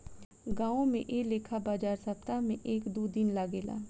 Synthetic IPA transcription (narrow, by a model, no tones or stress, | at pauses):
ɡãːõmḛ̃ʔeːleːkʰabaːd͡ʒaːɾsəpt̪amẽʔeːkd̪uːd̪ɪnlaːɡeːla̰ː